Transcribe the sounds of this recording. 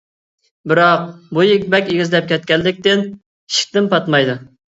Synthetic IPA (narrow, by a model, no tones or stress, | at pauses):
bɪɾɑq̚bujeɡʲbɛkʲeɡʲizlɛp̚kʲʰɛt̪̚kʲɛlːɪkʲt̪ɪn | ʃi̥k̚ʲt̪ɪmpʰɑt̪mɑjd̪u